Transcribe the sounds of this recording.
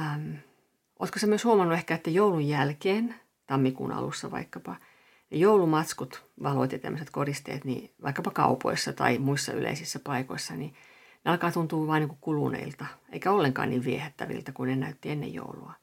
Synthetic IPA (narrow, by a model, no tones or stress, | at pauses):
m | ʔo̰ːt̪kosemyøshuomɑnːuehkæet̪ːejoulujjælkeːn | t̪ɑmːikṵːnɑ̰lṵsːɑʋɑ̰ikːɑpɑ | nejoulumɑt̪skut̪ʋɑloit̪ːit̪æ̰mːøset̪korist̪ḛːt̪nḭʋɑikːɑpɑkɑupo̰isːɑt̪ɑimuisːɑ̰y̰lʔḛisisːæpɑikoisːɑni | neɑlkɑːt̪unt̪uːʋɑːnniŋkukulṵnḛilt̪ɑḛikæolːeŋkɑ̰ːnniːʋʋiehæt̪ːæʋḭlt̪ɑkunenæyt̪ːienːḛjjo̰ulṵɑ